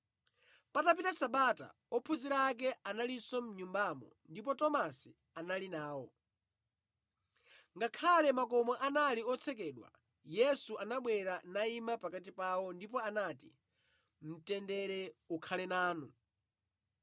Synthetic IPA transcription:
patap̬itasaɓata̰ | ɔpʰuziɾak̬ɛʔanalisɔm̩ɲumbamɔ̰ndipɔtɔmasi | analinaːwɔ | ŋɡakʰalɛmakɔmɔʔanaliɔt͡sʰɛk̬ɛːɗwa̰ | jɛsuʔanaɓwɛɾanaimapakat̬ipawɔndipɔanatḭ | m̩tɛndɛɾɛukʰalɛnaːnu

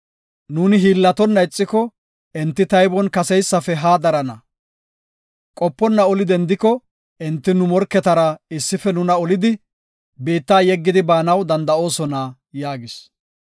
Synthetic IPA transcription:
nuːnɪɦiːlːɐt̪ɔnːɐɪt͡sʼːɪkɔ | ʔɛnt̪ːɪt̪ɐjbɔnkɐsɛjsːɐfɛɦaːd̪ɐɾɐnɐ | kʼɔpːɔnːɐɔlɪd̪ɛnd̪ɪkːɔ | ʔɛnt̪ːɪnʊmɔɾkːɛt̪ɐɾɐɪsːɪfɛnʊnɐɔlɪd̪ɪ | beːt̪ːaːjɛɡːɪd̪ɪbaːnɐwd̪ɐnd̪ɐo̞ːsɔnaː | jaːɡɪs

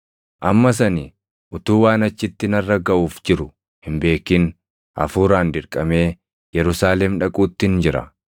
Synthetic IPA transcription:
ʔɐmːɐs̬ɐni | ʔʊt̪uːwaːnɐt͡ʃːɪt̪ːɪnɐrːɐɡɐʔuːfd͡ʒɪɾʊ | hɪmbe̞ːkːɪn | ʔɐ̰fuːɾaːnd̪ɪɾkʼɐme̞ː | jɛɾʊsaːlɛmᶑɐkʼuːt̪ːɪnd͡ʒɪɾɐ̰

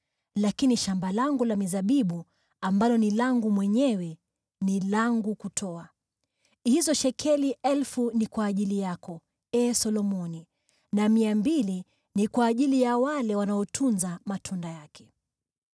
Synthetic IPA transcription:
lakiniʃambalaŋɡulamizaɓiɓu | ambalɔnilaŋɡumwɛɲɛwɛ | nilaŋɡukutʰɔa | hizɔʃɛkʰɛliʔɛlfunikwaːʄilijakɔ | ɛːsɔlɔmɔni | namiambili | nikwaːʄilijawalɛwanaɔtʰunzamatʰundajakʰɛ̥

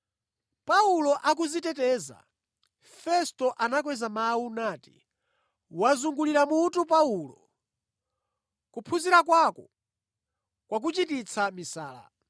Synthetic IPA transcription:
paulɔʔak̬uzitɛtɛːza̰ | fɛstɔʔanak̬wɛzamaunaːtḭ | wazuŋɡuliɾamutupaulɔ̰ | kupʰuziɾakwakɔ | kwak̬ut͡ʃitit͡sʰamisaːla̰

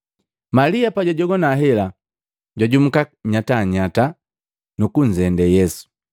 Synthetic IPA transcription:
maliapaɟaɟɔɡɔnaɦɛla | ɟwaɟum̩kaɲataɲata | nukuɲ̩zɛndɛjɛsu̥

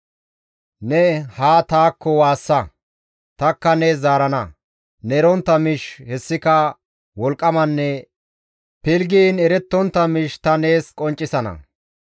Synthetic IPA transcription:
nɛhaːt̪aːkːɔwaːsːɐ | t̪ɐkːɐneːzaːɾɐnɐ | nɛɾɔnt̪ːɐmɪʃhɛsːɪkɐ | wɔlkʼːɐmɐnːɛ | pɪlɡiːnɛɾɛt̪ːɔnt̪ːɐmɪʃt̪ɐne̞ːskʼɔnt͡ʃʼːɪsɐnɐ̰

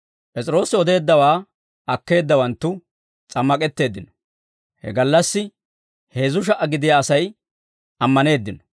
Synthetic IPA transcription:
pʼɛt͡sʼɪɾo̞ːsɪɔd̪e̞ːd̪ːɐwaː | ɐkːe̞ːd̪ːɐwɐnt̪ːʊ | t͡sʼɐmːɐkʼɛt̪ːe̞ːd̪ːɪnɔ̥ | hɛ̰ɡɐlːɐsːɪ | he̞ːzʊʃ̬ɐʔɐɡɪd̪ɪjaːsɐj | ɐmːɐne̞ːd̪ːɪnɔ

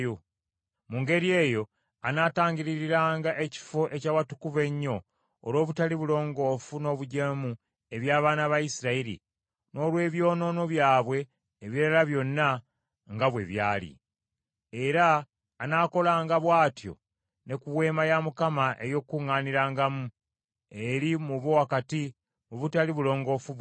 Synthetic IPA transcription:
o | muŋɡe̞ɾie̞ːjo̞ | anaːtaːɲɟiɾiɾiɾaːŋɡaʔe̞ci̥fo̞ʔe̞cawatukuve̞ɲːo̞ː | lwo̞ːβutaliβulo̞ːŋɡo̞ːfuno̞ːβuɟemu | e̞βjaːβaːnaβaisiɾaiɾḭ | no̞ːlwe̞ːβjo̞ːno̞no̞βjaːβwe̞ː | βiɾalaβjo̞nːa | ŋɡaβwe̞̰βjaːlḭ | e̞ɾaː | naːko̞laːŋɡaβwaːtjo̞̰ | ne̞kuβwe̞ːmajamukamaʔe̞jo̞kːuŋːaːniɾaːŋɡamu | e̞ɾimuβowakati | muβutaliβulo̞ːŋɡo̞fu

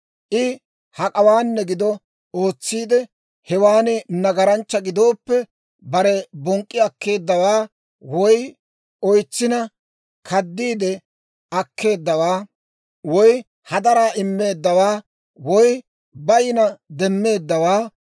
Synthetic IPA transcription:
ʔɪ | hɐkʼɐwaːnːɛɡɪd̪ɔ | o̞ːt͡sːiːd̪ɛ | hɛwaːnɪnɐɡɐɾɐnt͡ʃːɐɡɪd̪o̞ːpːɛ | bɐɾɛbɔŋkʼːɪɐkːe̞ːd̪ːɐwaː | wɔj | ɔjt͡sːɪnɐ | kʰɐd̪ːiːd̪ɛ | ɐkʰːe̞ːd̪ːɐwaː | wɔj | hɐd̪ɐɾaːʔɪmːe̞ːd̪ːɐwaː | wɔj | bɐjɪnɐd̪ɛmːe̞ːd̪ːɐwaː

